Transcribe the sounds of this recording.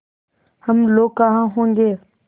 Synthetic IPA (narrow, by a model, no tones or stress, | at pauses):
həmloːkãːɦãːɦõːŋɡeː